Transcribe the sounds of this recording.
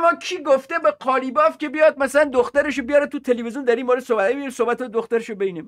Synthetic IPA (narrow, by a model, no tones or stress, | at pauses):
mɒːkʰiːɡoft̪ebeqʰɒːliːbɒːfcʲe̞bijɒːd̪̚mæsælænd̪oxt̪æɾeʃobejɒːɾet̪ʰut̪ʰelevezjund̪æɾiːnmoːɾed̪sobæt̪̚bemiisobæt̪ʰed̪oxt̪æɾeʃobejnei